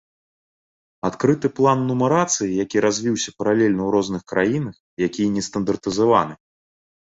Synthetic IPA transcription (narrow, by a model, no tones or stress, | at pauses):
at̪kɾɨt̪ɨplˠanːumɐɾat̪sɨjijakʲiɾazʲvʲiwsʲɐpɐɾalʲɛlʲnɐwɾɔznɨxkɾajinɐx | jakʲijɐnʲɛst̪ɐnd̪ɐrt̪ɨzava̰nɨ